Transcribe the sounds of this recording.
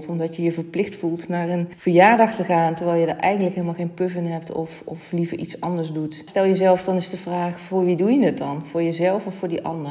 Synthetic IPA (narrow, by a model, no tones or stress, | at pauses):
tɔmdɑtjəjəvəɹplɪxtfulˠtnaːɹənv̥əɹjaːɹdɑχtəχaːntəɹʋɛjlˠjədəɹʔɛjχəndləkɦeːləmalˠχejnpøvənɦɛptʰɔ̰fɔflivəɹʔitsɑndəɹzdutstɛlˠjəzɛlˠfdɑnɪsdəvraːχvʊːɹʋidujədɪt̚dɑnv̥ʊːɹjəzɛlˠfɔfʊːɹdiʔɑ̰ndər